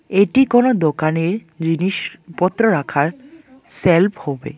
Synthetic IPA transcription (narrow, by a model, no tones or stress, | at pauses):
eʈikonod̪okaneɹ | d͡ʑiniʃpɔt̪ːɾoɾakʰaɹ | selpʰhɔbḛ